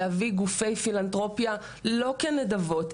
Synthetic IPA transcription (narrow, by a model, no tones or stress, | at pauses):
aviɡufe̞jfilantʁo̞pja | lo̞kenedavo̞t